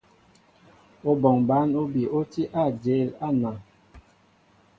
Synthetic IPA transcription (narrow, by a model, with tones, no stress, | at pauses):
o˦bɔ˨ŋba˨˦no˦bi˨o˦ti˦ʔa˦˨d͡ʒe˨˦˨la˦˨na˨